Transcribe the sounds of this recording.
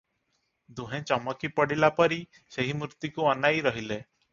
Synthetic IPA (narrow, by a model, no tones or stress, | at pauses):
d̪uɦẽt͡ʃɔmɔkipɔɽilapɔɾi | seɦimɾut̪ikuɔnajɾɔɦile